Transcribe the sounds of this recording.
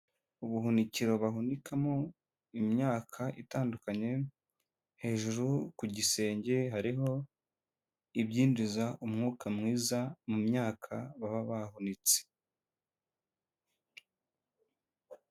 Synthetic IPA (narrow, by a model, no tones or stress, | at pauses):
uβuɦuniciɾo̞βaɦunikʰamo̞ | imɲaːkʰaʔitaːndukaɲe̞ | he̞ːʒuɾukuɟise̞ːɲɟe̞ɦaɾiɦo̞ | ibɟiːndizaʔumŋuːkamŋiːzamumɲaːkʰaβaβaβahunit͡se̥